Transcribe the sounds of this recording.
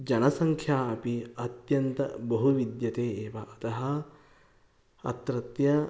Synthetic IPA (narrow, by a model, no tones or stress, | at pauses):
d͡ʒɐnɐsɐŋkʰjaːɐpiɐt̪jɐnt̪ɐ̰bɐɦuʋid̪jɐt̪eːeːʋɐʔɐt̪ɐɦɐ | ɐt̪ɾɐt̪jɐ